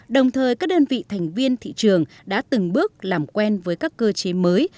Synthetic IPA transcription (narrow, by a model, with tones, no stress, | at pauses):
ɗə˨˩wŋ͡mt̪ʰəː˨˩jkaː˦˥k̚ɗəː˧nvḭ˧˨t̪ʰɛ˨˩jŋ̟vi˧ənt̪ʰḭ˧˨t͡ɕɨ˨˩əŋ | ɗa̰ː˧˥t̪ɨ˨˩ŋɓɨ˦˥ək̚laː˨˩mkwɛ˧nvəː˨˦jkaː˦˥kːəː˧t͡ɕe˨˦məː˨˦j